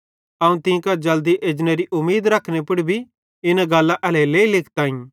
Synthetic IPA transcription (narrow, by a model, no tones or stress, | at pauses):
ɐũt̪ɪ̃kad͡ʒɐld̪iʔeːd͡ʒneɾiʔʊmːeːd̪ɾɐkʰːñepʊɽibʱi | ɪnaɡɐlːãʔɛlɛleːilɪkʰt̪aːĩ